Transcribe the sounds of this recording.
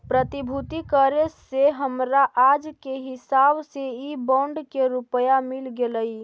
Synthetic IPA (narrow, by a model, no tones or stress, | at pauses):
pɾət̪ibʱut̪ikəɾeseɦəmɾaʔad͡ʒkeɦɪsabseibɔ̃ɳɖkeɾupəjamilɡeləi